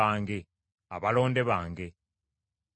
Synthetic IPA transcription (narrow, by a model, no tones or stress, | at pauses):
aːŋɡe̞ | aβalo̞ːnde̞βaːŋɡe̞